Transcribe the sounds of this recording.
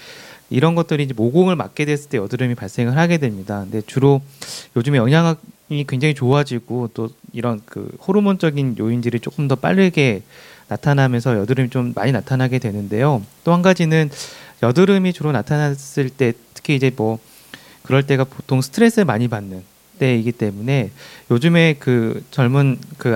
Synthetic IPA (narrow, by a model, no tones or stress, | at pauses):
iɾʌnɡʌt͈̚ɯɾiːd͡ʑe̞moɡoŋɯɭmak̚k͈e̞dwe̞s͈ɯɭt͈e̞jʌdɯɾɯmipaɭs͈eŋɯɭɦaɡe̞dwe̞mɲidakɯnde̞t͡ɕuɾojod͡ʑɯmejʌŋɦaŋɦaikwe̞ŋd͡ʑaŋit͡ɕoad͡ʑiɡot͈oiɾʌnkɯ̰hoɾumont͡ɕ͈ʌɡinjoindɯɾit͡ɕ͈ok͈ɯmdʌp͈a̰ʎːɯɡe̞natʰanamjʌnsʰʌjʌdɯɾɯmit͡ɕomːa̰ɲinatʰanɦaɡe̞dwe̞nɯnde̞jot͈ohanɡad͡ʑinɯnjʌdɯɾɯmit͡ɕuɾonatʰanas͈ɯɭt͈e̞tʰɯ̥kʰiid͡ʑe̞mʌ | kɯɾʌɭt͈e̞ɡapotʰoŋsʰɯ̥tʰɯɾe̞s͈ɯɭmaɲipanːɯn | t͈e̞iɡit͈e̞mune̞jod͡ʑɯme̞kɯt͡ɕʌɭmunkɯ